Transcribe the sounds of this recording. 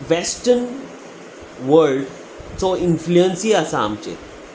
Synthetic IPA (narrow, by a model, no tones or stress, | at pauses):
ʋɛsʈən | ʋəɾlɖ | soɪnfluənsiɐsaːmt͡ʃḛ